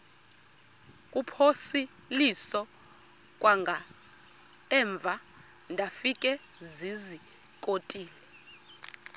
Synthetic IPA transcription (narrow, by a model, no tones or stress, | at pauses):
kʼupʰosi | lisɔ | kʼwaŋɡʱa | ɛɱb̪vʱa | ndʱafikʼɛ | zizi | kʼotʼiːlɛ